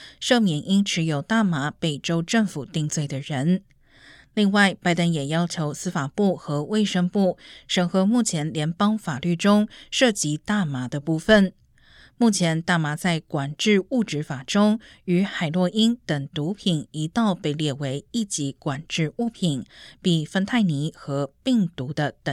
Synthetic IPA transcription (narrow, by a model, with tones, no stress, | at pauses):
ʂɤ˥˧˩mjɛ˨˩nʔi˥nʈ͡ʂʰɻ̩˧˥jo˨˩ʊt̪a˥˩ma˧˥pe˨˩ɪʈ͡ʂo˥ʊʈ͡ʂɤ˥˩ŋfu˨˩t̪i˥˧ŋt͡swe˥˩ɪd̪ə˩ɻə˧˥n | li˥˧ŋwa˥˧ɪpa˥˩ɪt̪ə˥njɛ˨˩jɑ˥ʊt͡ɕʰjo˧˥ʊsɹ̩˥fa˨˩pu˥˩xɤ˧˥we˥˩ɪʂə˥ŋpu˥˩ʂə˨˩ŋxɤ˧˥mu˥˩t͡ɕʰjɛ˧˥nljɛ˧˥npɑ˥ŋfa˨˩ly˥˩ʈ͡ʂʊ˥ŋʂɤ˥˩t͡ɕi˧˥t̪a˥˩ma˧˥d̪ə˧pu˥˩fə˥˨n | mu˥˩t͡ɕʰjɛ˧˥nt̪a˥˩ma˧˥t͡sa˥˩ɪkwa˨˩nʈ͡ʂɻ̩˥˧u˥˩ʈ͡ʂɻ̩˧˥fa˨˩ʈ͡ʂʊ˥ŋ | y˧˥xa˨˩ɪlwɔ˥˩ʔi˥nt̪ə˨˩ŋt̪u˧˥pʰi˨˩ni˧˥t̪ɑ˥˧ʊpe˥˧ɪljɛ˥˩we˧˥ɪi˥˩t͡ɕi˧˥kwa˨˩nʈ͡ʂɻ̩˥˧u˥˩pʰi˨˩npi˨˩fə˥nt̪ʰa˥˩ɪni˧˥xɤ˧˥pi˥˩ŋt̪u˧˥d̪ə˧t̪ə˨˩